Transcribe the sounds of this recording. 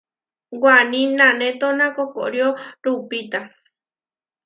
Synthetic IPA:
wanĩnãnẽt̪onãkoko̰ɾjoɾupit̪a

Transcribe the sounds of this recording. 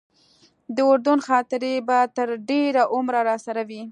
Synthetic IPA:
d̪əʊɾd̪ʊnxɑt̪ɪɾebat̪əɾɖeɾaʔʊmɾaɾɑsaɾawi

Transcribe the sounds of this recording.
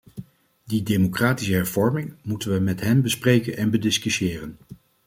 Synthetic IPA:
didemokraːtisəɦɛɹv̥ɔɹmɪŋmutənʋəmɛtɦɛmbəsprejkənɛnbədɪskysɪːrən

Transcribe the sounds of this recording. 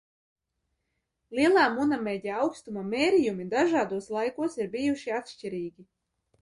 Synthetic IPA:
lʲˠiɛlˠaːmunamɛɟʲɛɑwkst̪umameːɾijumid̪aʒaːd̪uɔslˠajkuɔsiɾbijuʃiat̪ʃt͡ʃiɾiːɡʲi

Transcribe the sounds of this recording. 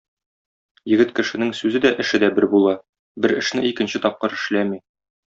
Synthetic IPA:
jɘ̆ɡɘt̪kɘ̆ʃɘ̆nɘŋsʉzɘd̪æʔɘ̆ʃɘd̪æbɘɾbulˠɑ | bɘɾɘ̆ʃnɘikɘ̆nɕɘt̪ɒp̚qɤɾɘ̆ʃlæmi

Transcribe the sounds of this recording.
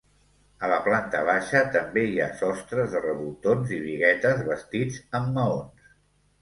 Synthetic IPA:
ələplant̪əβ̞aʃət̪əmbeiasɔst̪ɾəzðərəβult̪onziβiɣɛt̪əzβəst̪id͡zəmːəons

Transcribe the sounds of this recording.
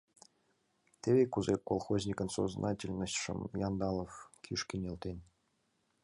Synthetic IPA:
t̪ʲeβʲekuzekolˠxozʲnʲikə̆nso̰znʔɑtʲelʲnəɕʲʂə̰mjɑnd̪ɑlˠofkʲʰiʂkʲinʲelˠt̪ʲenʲ

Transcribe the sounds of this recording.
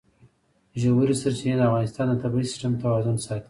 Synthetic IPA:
ʒawuɾisəɾt͡ʃined̪əafɣɑnɪst̪ɑnd̪ət̪abɾisɪ̥sʈəmt̪awɑzʊnsɑt̪

